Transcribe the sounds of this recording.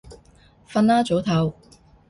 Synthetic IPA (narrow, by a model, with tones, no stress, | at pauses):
fɐ˧naː˥t͡so˨˥wt̪ʰɐ˨˧w